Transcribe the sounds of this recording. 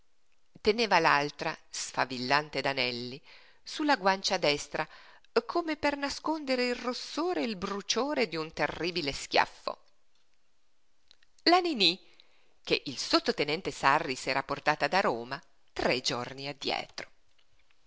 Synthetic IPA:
t̪eneːvalalt̪ɾasfa̰vilːant̪ed̪anɛlːi | sulːaɡwant͡ʃad̪ɛst̪ɾa | kʰoːmepernaskond̪eɾeilrosːoːɾeilbɾut͡ʃoːɾed̪iunt̪erːiːbileskja̰fːo̰ | lanini | k̟eʔilsot̪ːot̪enɛnt̪esarːisɛːɾaport̪aːt̪ad̪aɾoːma | t̪ɾed͡ʒorniad̪ːjɛ̰ːt̪ɾo̥

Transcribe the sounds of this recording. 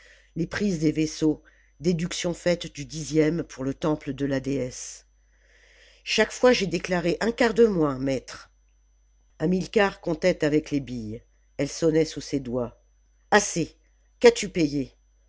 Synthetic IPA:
lepχizd̪eveso | d̪ed̪yksjɔ̃fɛt̪d̪yd̪izjɛmpʰuʁlət̪ɑ̃pləd̪əlad̪eɛs | ʃakfwaʒed̪eklaʁeʔɛ̃kaʁd̪əmwɛ̃mɛt̪χ | amilkaʁkɔ̃t̪ɛt̪avɛklebij | ɛlsɔnɛsused̪wa | ase | kat̪ypeje

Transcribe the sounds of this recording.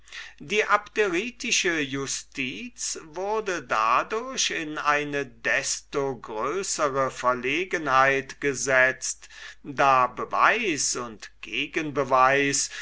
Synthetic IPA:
d̥iːʔapteʁiːtɪʃəjʊstʰiːt͡svʊɐdəda̰dʊɐɕɪnʔaɪnədɛstoɡʁøːsəʁəfɛɐleːɡənhaɪtɡ̥əzɛt͡std̥aːbəva̰ɪsʊntɡ̥eːɡənbəvaɪs

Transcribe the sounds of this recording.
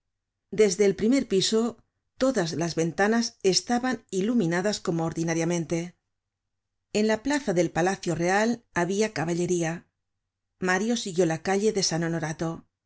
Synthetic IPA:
d̪e̞zðe̞ːlpɾime̞ɾpiso̞ | t̪o̞ðazlazβe̞nt̪anase̞st̪aβanilumĩnaðasko̞moːɾðinaɾjamẽ̞nt̪e̞ | e̞nlaplaθaðe̞lpalaθjo̞re̞alaβiakaβaʎe̞ɾia | maɾjo̞siɣjo̞lakaʎe̞ðe̞sano̞noɾat̪o̞

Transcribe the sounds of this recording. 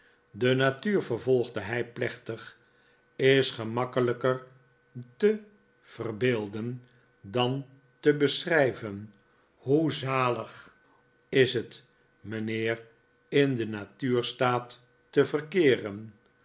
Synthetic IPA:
dənatyːɹvəɹvɔlˠχdəɦɛjplɛχtəχ | ɪsχəmɑkələkər | tə | v̥ərbɪːlˠdən | dɑn | təbəsrɛjvən | huzaːləχ | ɪsɦət | mənɪːr | ɪndənatyːrstaːtː | əvərkɪːrən

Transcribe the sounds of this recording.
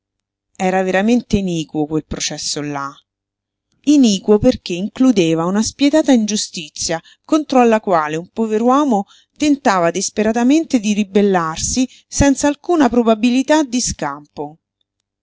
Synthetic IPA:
ɛːɾaveɾament̪einiːkwokwelpɾot͡ʃɛsːolːa | iniːkwoperk̟eiŋklud̪eːvaunaspjɛt̪aːt̪aind͡ʒust̪it̪sːja | kont̪ɾoalːakwaːleumpoveɾwɔːmo | t̪ent̪aːvad̪ispeɾat̪ament̪ed̪iɾibelːarsi | sɛnt̪saːlkuːnapɾobabilit̪ad̪ːiskampo

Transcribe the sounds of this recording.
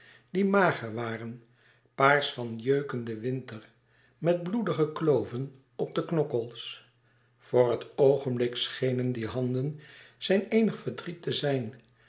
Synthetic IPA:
d̥imaːχəɹʋaːrən | paːɹsfɑnjøɥkəndəʋɪntəɹ | mɛd̚bludəχəklowvən | ɔb̚dəknɔkəlˠs | v̥ʊːɹɦətowχənblɪksχejnəndiɦɑndənz̥ɛjnejnəχfəɹdritəzɛjn

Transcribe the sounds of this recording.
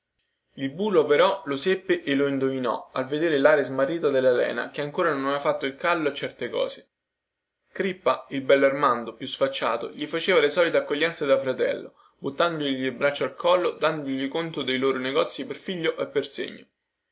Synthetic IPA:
ilbuːlopeɾɔlosepːeʔelːoind̪ovinɔ̰alved̪eːɾelaːɾezmarːiːt̪ad̪elːalɛ̰ːna̰keaŋkoːɾanonnafat̪ːoilkalːoet͡ʃːɛrt̪ekɔ̰ːse̥ | kɾipːailbɛlːarmand̪opjusfat͡ʃːa̰ːt̪o̰ʎifat͡ʃeːvalesɔːlit̪eakːoʎːɛnt̪sed̪afɾat̪ɛ̰lːo̰ | but̪ːand̪oʎiʎibɾat͡ʃːoalkʰɔlːod̪and̪ooʎikont̪od̪ejloːɾoneɡɔt̪sːiperfiʎːoʔepːersḛɲːo̰

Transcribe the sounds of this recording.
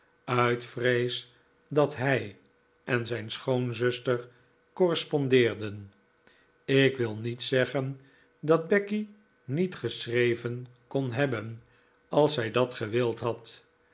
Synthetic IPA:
œɥtfrejs | dɑtɦɛj | ʔɛnzɛjnsχownzɵstər | kɔrəspɔndɪːɹdən | ɪkʋɪlˠnitsɛχən | dɑd̚bɛki | nitχəsrejvənkonɦɛbən | ɑlˠsɦɛjdɑtχəʋɪlˠtɦɑt

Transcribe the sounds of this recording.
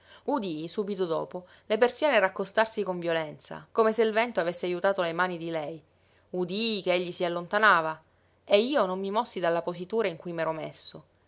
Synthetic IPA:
ud̪isuːbit̪od̪ɔ̰ːpo | lepersjoneɾakːost̪arsikoɱvjolɛnt̪sa̰komeselvɛnt̪oavesːeajut̪aːt̪olemaːnid̪ilɛj | ud̪ikeeʎːisialːont̪anaːva | eiːonomːimɔsːid̪alːaposit̪uːɾaiŋkujmɛːɾomḛsːo

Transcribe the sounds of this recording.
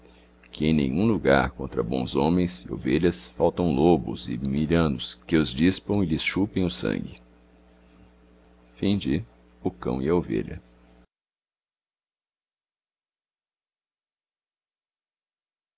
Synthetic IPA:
kɪẽj̃nḛ̃j̃ũluɡa̰ɾkõnt̪ɾɐbõ̰w̃zõmẽj̃sɪo̰veʎɐsfawt̪ɐ̃w̃lobʊzɪmiʎɐ̃nʊskɪʊzd͡ʒispɐ̃w̃ɪlɪsʃupẽj̃ʊsɐ̰̃ŋɡɪ | fĩd͡ʒɪ | ʊkɐ̰̃w̃ɪɐovḛʎɐ̰

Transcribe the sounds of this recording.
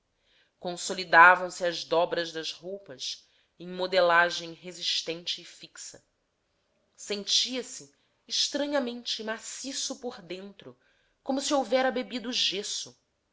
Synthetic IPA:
kõsolid̪avɐ̃w̃sɪɐzd̪ɔbɾɐzd̪ɐzhowpɐs | ẽŋ̃mod̪elaʒẽj̃ɦeziʃt̪ẽnt͡ʃɪːfiksɐ̰ | sẽnt͡ʃiɐsɪː | ʃt̪ɾɐ̃ɲɐmẽnt͡ʃɪmasisʊpoɾd̪ẽnt̪ɾʊ | kõmʊsiowvɛɾɐbebid̪ːʒesʊ

